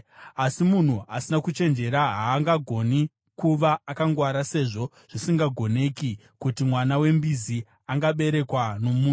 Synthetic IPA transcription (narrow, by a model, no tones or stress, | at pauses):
asimun̤uʔasinakut͡ʃe̞nd͡ʒe̞ɾaɦaːŋɡaɡʱo̞ni | kuʋaːkaŋɡwaɾase̞ʐo̞ | ʐ̥isiŋɡaɡʱo̞ne̞ki | kutimwanawe̞mbizi | aŋɡaɓe̞ɾe̞kwano̞muːnu